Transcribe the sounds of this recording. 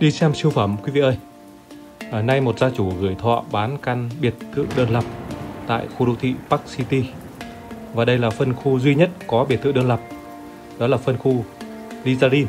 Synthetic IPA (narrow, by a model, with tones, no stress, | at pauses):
ɗi˧sɛ˧msi˧əwfaː˧˩mkwi˨˦vḭ˧˨ʔəː˧j | na˧jmo˨˩t̚zaː˧t͡ɕu˧˩ɣɨ˧˩əjt̪ʰwa̰˧˨ɓaː˨˦nka˧nɓi˨˩ət̚t̪ʰːɨ̰˧˨ɗəː˧nlə˨˩p̚t̪a̰ː˧˨jxu˧ɗu˨˦wt̪ʰḭ˧˨paː˦˥k̚si˧t̪i˧ | vaː˨˩ɗə˧jlaː˨˩fə˧nxu˧zwi˧ɲə˦˥t̚kɔ˨˦ɓi˨˩t̪ʰɨ̰˧˨ɗəː˧nlə˨˩p̚ | ɗɔ˨˦laː˨˩fə˧nxu˧ | li˧zaː˧zi˧n